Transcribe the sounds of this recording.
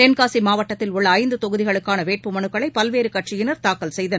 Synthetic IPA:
eːnkaːsimaːʋɐʈːɐt̪ːɪlʊɭːɐːɪnd̪ɯt̪ɔɣɯðɪɣɐɭɯkːaːnɐʋeːʈ̚pɯmɐnɯkːɐɭɐɪpɐlʋeːɾɯkɐʈt͡ʃɪjɪnɐɾt̪aːkːɐlsɛjðɐnɐ

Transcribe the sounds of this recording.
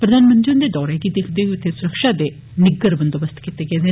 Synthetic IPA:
pɾəd̪aːnmə̃nd͡ʒɪnd̪eːd̪ɔːɾeːɡiːd̪ekʰd̪eːʋiʊt̪ʰːeːsʊɾəkʃaːd̪eː | nɪɡəɾbənd̪obəst̪kit̪eːɡeeːd̪eː

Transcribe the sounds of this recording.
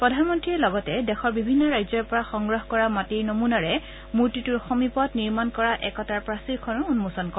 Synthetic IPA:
pɹɔdʱanmɔntɹiɛlɔɡɔtɛdɛxɔɹbibʱinːɔɹajzɔɹpɔɹaxɔŋɡɹɔɦkɔɹamatiɹnomunaɹɛ | muɹtituɹɔxɔmipɔtniɹmankɔɹaʔɛkɔtaɹpɹasiɹkʰɔnɔunmusɔnkɔ

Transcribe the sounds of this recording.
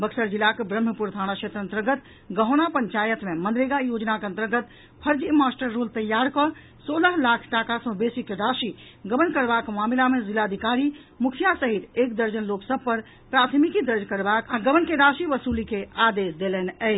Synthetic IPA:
bəksəɾd͡ʒilakebɾəm̤ːəpuɾt̪ʰañakʃʰet̪ɾə̃nt̪əɾɡət̪ | ɡəɦʊnapəɲt͡ʃajət̪memənd̪ɾeɡajod͡ʒnakeə̃nt̪əɾɡət̪ | pʰəɾd͡ʒimasʈəɾːolt̪əjːaɾkɔ | soːləɦlakʰʈakasə̃besikeɾaʃi | ɡəmənkəɾbakmamilamezilad̪ʱikaɾi | mukʰijasəɦit̪ekd̪əɾd͡ʒənloksəb̚pəɾ | pɾat̪ʰmikid̪əɾd͡ʒkəɾbakaɡəmənkeɾasiʋəsulikead̪esd̪elɛneɛ

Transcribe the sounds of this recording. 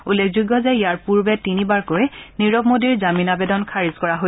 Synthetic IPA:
ulːekʰzuɡːɔzɛijaɹpuɹbɛtinibaɹkojniɹɔbmodiɹzaminabedɔnkʰaɹizkɔɹaɦo

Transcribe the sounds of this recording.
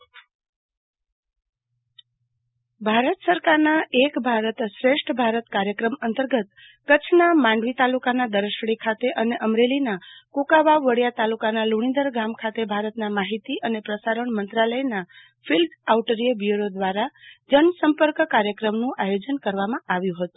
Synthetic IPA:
bʱaɾət̪səɾkaɾnaekbʱaɾət̪sɾeʃʈʰbʱaɾət̪kaɾjəkɾəmənt̪əɾɡət̪ | kət͡ʃʰnamãɳɖʋit̪alukanad̪əɾəʃɽikʰat̪eʔəneʔəmɾelinakukabaʋːəɽjat̪alukanaluɽ̃ĩnd̪əɾɡamkʰat̪ebʱaɾət̪namaɦit̪iʔənepɾəsaɾəɳmənt̪ɾaləjna | fʰilɖawʈəɾiebjuɾod̪ʋaɾad͡ʒənsəmpəɾkkaɾjəkɾəmnũʔajod͡ʒənkəɾʋamãʔaʋjũɦət̪ũ

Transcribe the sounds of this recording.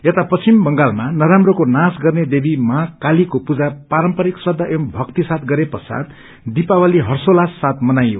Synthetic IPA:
et̪apʌt͡sʰimbʌŋɡalmanʌɾamrokonasɡʌrned̪ebimʌɦakalikopud͡zapaɾʌmpʌɾikswʌd̪ʱːaʔembʱʌkt̪isat̪ʰɡʌɾepʌsa̰d̪ | d̪ipawaliɦʌrsolasːat̪̚ʰmʌnajo̰

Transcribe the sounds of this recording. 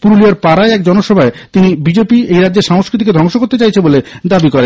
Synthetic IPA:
puɾoliaɾpaɾaeɛkd͡ʑɔnoʃɔbʱaet̪inibid͡ʑepiejɾadːd͡ʑeɾʃaŋoskɾit̪̬iked̪ʱɔŋʃokoɾt̪et͡ɕajt͡ɕʰeboled̪abikoɾen

